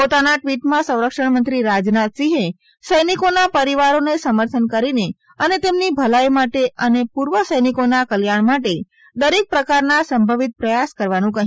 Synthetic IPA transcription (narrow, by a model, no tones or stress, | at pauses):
pot̪anaʈʋiʈmãsə̃w̃ɾəkʂəɳmənt̪ɾiɾad͡ʒnat̪siɦe | səjnikonapəɾiʋaɾonesəməɾt̪ʰənkəɾine | ənet̪emnibʱəlajmaʈeʔənepuɾʋəsəjnikonakəljaɳ̃maʈe | d̪əɾek̚pɾəkaɾnasəmbʱəʋit̪̚pɾəjaskəɾʋanũkəɦ